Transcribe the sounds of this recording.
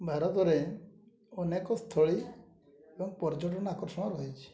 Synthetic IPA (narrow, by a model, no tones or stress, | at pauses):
bʱaɾɔt̪ɔɾe | ɔnekɔst̪ʰɔɭi | ebɔŋpɔɾd͡ʒɔʈɔnakɔɾsɔɽ̃ɔɾɔɦit͡ʃʰi̥